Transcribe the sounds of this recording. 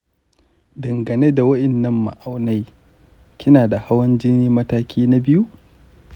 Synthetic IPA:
dɐ˨ŋɡɐ˨ne˦da˨wɐ˦ʔɪ˨nːɐ˦mːa̰˨ʔa˨wna˦j | kʲʰɪ˦naː˨da˨ha˦wɐ˦nd͡ʒɪ˦niː˦mɐ˦taː˦kʲʰiː˦na˦bɪ˦ju˦ʔ

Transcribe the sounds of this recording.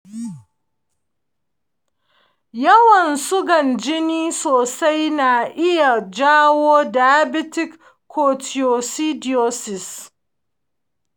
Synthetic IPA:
jɐ˦wɐ˨nsʊ˦ɡɐ˨nd͡ʒɪ˦niː˦soː˨sa˦jna˨ʔɪ˦ja˨d͡ʒaː˦woː˦da˨ja˦bɪ˦tɪ˦kʰː | oː˨ti˨jo˨si˦di˨o˦sɪ˨s

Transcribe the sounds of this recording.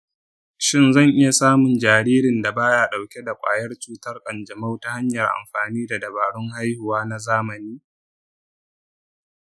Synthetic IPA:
ʃɪ˦nzɐ˦˨ŋʔɪ˦ja˨saː˦mʊ˨nd͡ʒaː˨ɾiː˦ɾɪ˨nda˨baː˦jaː˦˨ɗa˨wkʲe˦da˨kʷʼa̰ː˨jɐ˦rt͡ʃuː˦tɐ˦rkʼɐ˨nd͡ʒɐ˨ma˦wta˦ha˦ɲjɐ˨rʔa̰˨mɸaː˨niː˦da˨dɐ˨baː˨ɽʊ˦ŋha˦jhʊ˨waː˦na˦zaː˦mɐ˨niː˦

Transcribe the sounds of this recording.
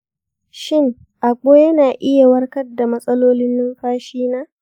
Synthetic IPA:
ʃɪ˦ŋ | ʔa˨kʷoː˦jɐ˦naː˨ʔɪ˦ja˨wɐ˦rkɐ˦rda˨mɐ˦sʼɐ˦loː˦lɪ˦nːɪ˦ŋɸaː˦ʃiː˦naː˦

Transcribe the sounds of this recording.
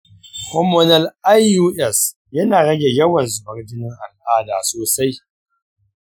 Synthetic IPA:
kɔ˨mo˨nɐ˨lʔa˦jːuː˦ʔɛ˦˨s | jɐ˦naː˨ɽɐ˦ɡʲe˨jɐ˦wɐ˨nzʊ˨bɐ˨rdɪ˦nɪ˦ŋʔa˨lʔaː˦daː˨soː˨sa˦j

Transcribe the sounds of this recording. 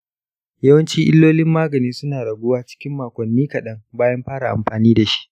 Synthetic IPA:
jɐ˦wɐ˦nt͡ʃiː˦ʔɪ̰˦lːoː˦lɪ˦mːaː˦ɡɐ˨niː˦nsʊ˦naː˨ɽɐ˨ɡʷʊ˦waː˦t͡ʃɪ̥˦kʲɪ˦mːaː˨kʷɐ˨nːiː˦kɐ˨ɗɐ˦ŋbaː˦jɐ˦mɸaː˦ɽa˨ʔa̰˨mɸaː˨niː˦da˨ʃi̥˦ʔ

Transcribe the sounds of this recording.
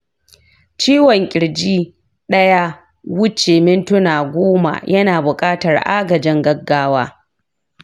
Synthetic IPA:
t͡ʃiː˦wɔ˨ŋkʲʼɪ˨ɽd͡ʒiː˦ | ɗɐ˦ja˦ | wʊ˦t͡ʃeː˨mɪ˦ntʊ˦naː˨ɡʷoː˦ma̰˨jʔɐ˦naː˨bʊ˨kʼaː˦tɐ˨rʔa̰ː˦ɡɐ˨d͡ʒɪ˦ŋɡɐ˦ɡːaː˦waː˦

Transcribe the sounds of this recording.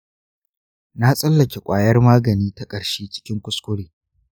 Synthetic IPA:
na˦sʼɐ˦lːɐ˨kʲe˨kʷʼaː˨jɐ˦rmaː˦ɡɐ˨niː˦ta˦kʼɐ˨ɽʃeː˦t͡ʃɪ̥˦kʲɪ˦ŋkʷʊ˦skʷʊ˦ɽeː˨

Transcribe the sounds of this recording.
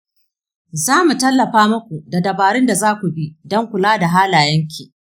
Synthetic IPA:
zaː˦mu˨tɐ˦lːɐ˨ɸaː˦mɐ˦kʷu˨da˨dɐ˨baː˨ɽɪ˦nda˨zaː˦kʷu˨bi˦dɔ˦ŋkʷʊ˨laː˦da˨ɦaː˦laː˨jɐ˦ŋkʲiː˨

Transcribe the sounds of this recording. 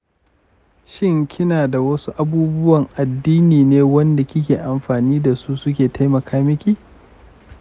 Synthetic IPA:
ʃɪ˦ŋkʲʰɪ˦naː˨da˨wɐ˦su˦ʔa˦buː˦bʊ˦wɐ˨ŋʔa˨dːiː˦niː˨neː˦wɐ˦nda˨kʲɪ˦kʲeː˨ʔa˨mɸaː˨niː˦da˨su˦sʊ˦kʲeː˨ta˦jmɐ˨kaː˦mɪ˦kʲi˦˨

